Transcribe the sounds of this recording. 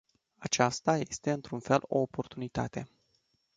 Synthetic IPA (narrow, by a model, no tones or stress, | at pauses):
at͡ʃast̪aje̞st̪e̞ɨnt̪ɾunfe̞lo̞̰ːpo̞rt̪unit̪a̰t̪e̞